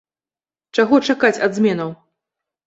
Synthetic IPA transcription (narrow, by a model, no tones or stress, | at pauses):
t͡ʂaɣɔt͡ʂakat͡sʲɐd̪zmʲɛnɐw